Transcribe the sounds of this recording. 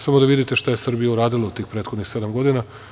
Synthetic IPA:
samo̞d̪aʋid̪it̪eʃt̪aje̞sr̩bijauɾaːd̪ilˠaut̪iːxpɾet̪xod̪nixse̞d̪amɡo̞d̪ina

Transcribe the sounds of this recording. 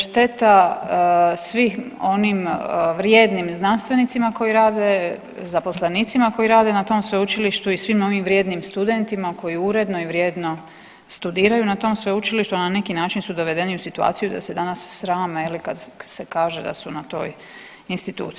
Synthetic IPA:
ʃt̪e̞t̪a | sʋixo̞nimʋɾjeːd̪nimznanst̪ʋe̞nit̪simako̞jiɾaːd̪e̞ | zapo̞sleniːt̪simako̞iɾaːd̪e̞nat̪o̞ːmsʋeut͡ʃiliʃt̪uisʋimo̞ʋimʋɾje̞ːd̪nimst̪ud̪e̞nt̪imako̞jiuɾe̞d̪no̞iʋɾje̞ːd̪no̞ | st̪ud̪iːɾajunat̪o̞ːmsʋeut͡ʃiliʃt̪uanane̞kinaːt͡ʃinsud̪o̞ʋe̞d̪e̞niusit̪ua̰ːt̪ijud̪a̰se̞d̪anasːɾaːmajelikad̪se̞kaːʒe̞d̪a̰sunat̪o̞̰ːj | inst̪it̪ṵːt̪

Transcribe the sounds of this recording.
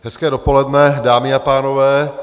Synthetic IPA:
ɦɛskɛːdopo̞lɛdnɛdaːmɪapaːno̞vɛː

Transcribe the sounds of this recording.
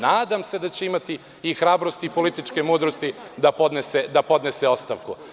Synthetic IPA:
naːd̪amse̞d̪at͡ɕeimat̪i | ixɾaːbɾo̞st̪ipo̞lit̪it͡ʃke̞muːd̪ɾost̪id̪apod̪nesed̪apo̞d̪nese̞o̞t̪st̪a̰ʋkṵ

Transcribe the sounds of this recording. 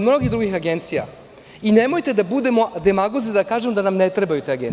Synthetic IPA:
mno̞ɡʲiɦd̪ɾuɡixaɡe̞nt̪sija̰ | ine̞mo̞jt̪e̞d̪abud̪e̞mo̞d̪e̞maɡozed̪akaːʒemod̪anamnet̪ɾebajut̪eaɡen

